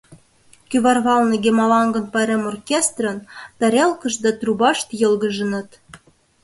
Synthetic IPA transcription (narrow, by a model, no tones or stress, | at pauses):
kyβɑrβɑlnɤɡemɑlɑŋɡə̆npɑɾemorkʲest̪rə̆nt̪ɑɾʲelkə̆ʃd̪ɑt̪rubɑʃt̪jɤ̆lɣəʒə̆nə̆t̪